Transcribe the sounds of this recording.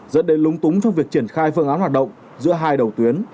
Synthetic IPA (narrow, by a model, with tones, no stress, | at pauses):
zə̰˧˥nɗe˨˦lʊ˨˦ŋ͡mt̪ʊ˨˦ŋ͡mt͡ɕɔ˧wŋ͡mvi˨˩ək̚t͡ɕi˧˩ənxaː˧jfɨ˧əŋaː˨˦nhwaː˨˩t̚ɗə̰˧˨ŋ͡m | zɨ̰˧˥əɦaː˧jɗə˨˩wt̪wi˨˦ən